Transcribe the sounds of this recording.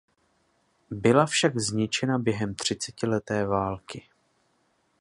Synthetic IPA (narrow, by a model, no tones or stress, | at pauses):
bɪlafʃaɡzɲɪt͡ʃɛnabjɛɦɛmt̪r̝̥ɪt͡sɛcɪlɛt̪ɛːvaːlkɪ